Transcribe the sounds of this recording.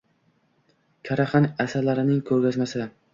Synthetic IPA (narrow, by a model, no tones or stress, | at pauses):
kʲʰaɾaχanasaɾlaɾɪnɪŋkʰɵɾɡʲazmasɪ